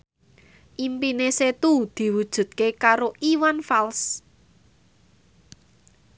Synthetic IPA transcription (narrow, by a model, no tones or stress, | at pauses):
ʔimpineset̪ud̪̥i̤wud̥ʒ̥ṳt̪̚kekaɾoʔiwanfals